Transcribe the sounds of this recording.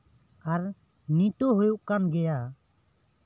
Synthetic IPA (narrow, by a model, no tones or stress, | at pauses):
aɾ | nit̪oɦujuʔkanɡɛja